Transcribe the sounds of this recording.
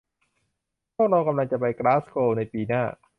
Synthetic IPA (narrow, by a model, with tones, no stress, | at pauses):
pʰu˥˩k̚ɾa˧wka˧mla˧ŋt͡ɕa˨˩pa˧jkɾaː˦˥skʰoː˧na˧jpiː˧naː˥˩